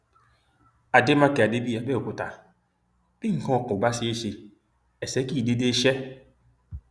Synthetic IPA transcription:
a˨dɪ˦ma˦ke˨a˨de˦bi˦ja˨be˦˨o˨kʷʊ˨ta˨ | b̥ɪ˦ŋ̩˨kɔ̃˦˨kʊ˨ɡ͡ba˦sɪ˦e˦ʃe˨ | ɛ˨se˦ki˦˨de˦de˦ʃɛ˦

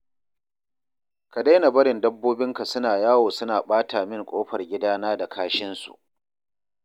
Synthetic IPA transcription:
ka˨da˦jna˨bɐ˦ɽɪ˨ndɐ˦bːoː˦bɪ˦ŋka˨sʊ˦naː˨jaː˦woː˨sʊ˦naː˨ɓaː˦tʰaː˨mɪ˦˨ŋkʷʼoː˦ɸɐ˨rɡʲɪ˦daː˦naː˦da˨kʰaː˦ʃɪ˦nsṵ˨ʔ

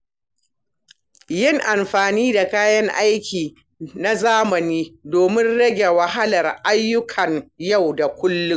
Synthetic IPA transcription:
jɪ˦ŋʔa˨mɸaː˨niː˦da˨kaː˦jɐ˦ŋʔa˦jkʲiː˨ | na˦zaː˦mɐ˨niː˦doː˨mɪ˦nɽɐ˦ɡʲe˨wɐ˨ɦa˦lɐ˨rʔa˦jːʊ˦kʰɐ˨ŋja˦˨wda˨kʷʊ˦lːʊ˦ŋ

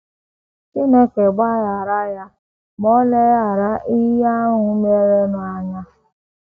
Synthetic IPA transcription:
kɪ˦no˦ke˨ɡ͡ba˦ja˨ɾa˦ja˦ | mɔ˦le˦ja˦˨ɾa˦ʔi˦ja˦ŋʊ˦me˦ɾe˦nʊ˨a˦ɲa˦

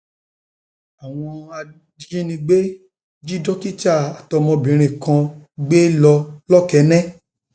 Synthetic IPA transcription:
a˨w̃ɔ̃˧a˧˦ | ĩ˦nĩ˧ɡ͡be˦ | d͡ʒi˦dɔ˦ki˦t͡ʃa˦˨a˨tɔ˧mɔ̃˧bĩ˨˦ɾ̃ĩ˨kã˧ɡ͡be˦lɔ˧lɔ˦kɛ˨˦nɛ̃˦

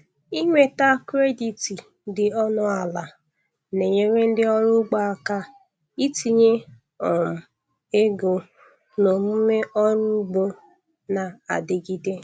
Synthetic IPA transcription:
i˦ŋʷe˦ta˦kɾe˦di˨ti˨ | dɪ˨ɔ˦nʊ˦a˨la˨ | ne˨ɲe˦ɾe˦n̩˦dɪ˦ɔ˦ɾʊ˦ɡ͡ba˦a˦ka˦ | i˦ti˨ɲe˦ | ɔ˨m̩˨ | e˦ɡo˨ | no˨m̩˦me˦ɔ˦ɾʊ˦u˦ɡ͡bo˦ | na˨a̰˨dɪ˨ɡi˦de˦

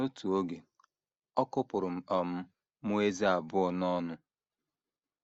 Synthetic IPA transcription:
o˦tu˨o˦ɡe˨ | ɔ˦kʊ˦pʊ˨ɾʊ˨m̩˨ɔ˨m̩˦ | mu˦e˦ze˦a˨bʊ˦ɔ˨nɔ˦nʊ˦

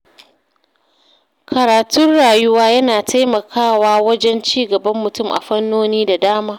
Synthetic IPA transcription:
kʰɐ˨ɾaː˨tʊ˦nɽaː˨jʊ˦waː˦jɐ˦naː˨tʰa˦jmɐ˨kʰaː˦˨waː˦wɐ˦d͡ʒɛ˦nt͡ʃiː˦ɡɐ˨bɐ˦mːʊ˨tʊ˦mʔa̰˨ɸɐ˦nːoː˦niː˦da˨daː˦maː˦

